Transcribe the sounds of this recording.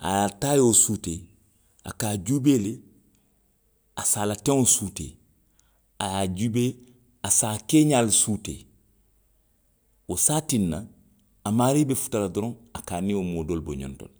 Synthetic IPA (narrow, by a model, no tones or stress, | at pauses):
a̰jataːjosute | a̰kaːd͡ʒuːbeːle | asaːlatɛ̃ŋosutḛː | ajad͡ʒube | asaːkeːɲaːlsuːtḛ | wosaːtinːa | amaːɾibefu̥taladɔɾɔ̃ŋakaːnĩomoːdolbo̰ɲɔ̰̃nto̰l